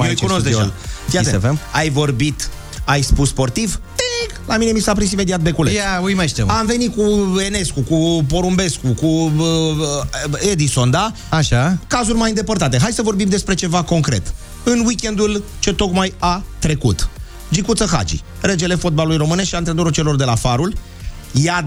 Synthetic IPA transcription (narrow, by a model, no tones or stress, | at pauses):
mojkunosd̪ea̰lfiafemajvo̞rbit̪ | ajspusspo̞rt̪iv | e | lamine̞misap̬ɾis̬ime̞d̪iat̪̚be̞kulejaujmaʃt̪emamve̞nit̪̚kue̞ne̞skukup̬o̞ɾumbe̞skukuə | e̞d̪iso̞nd̪a | aʃakazurʲmajɨnd̪e̞pərt̪at̪e̞ɦajsəvo̞rbimd̪e̞spɾe̞t͡ʃe̞vako̞ŋkɾe̞̰t̪ | ɨnwikʲe̞nd̪ult͡ʃe̞t̪o̞kmajat̪ɾe̞kṵt̪ | d͡ʒikut̪səxa̰d͡ʒḭ | ɾed͡ʒe̞le̞fo̞t̪̚balulujro̞mɨne̞ʃiant̪ɾed̪oɾut͡ʃe̞lo̞rd̪e̞lafaɾul | ja